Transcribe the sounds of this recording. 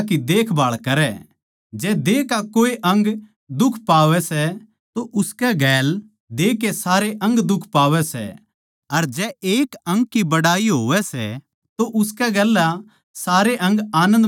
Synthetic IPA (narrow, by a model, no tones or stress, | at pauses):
kid̪eːkʰbaːɭkɐɾɛ | d͡ʒɛːd̪eːkakoːeʔɐ̃ŋɡ | d̪ʊkʰpaːʋɛsɛ | t̪oʔʊskɛɡɛːl | d̪eːkːesaːɾeʔɐ̃ŋɡd̪ʊkʰpaːʋɛsɛ̰ | ɐɾd͡ʒɛeːkɐ̃ŋɡkːibɐɽaːiɦoːʋɛsɛ̰ | t̪oʔʊskɛɡɛlːa | saːɾeʔɐ̃ŋɡaːnə̃nd̪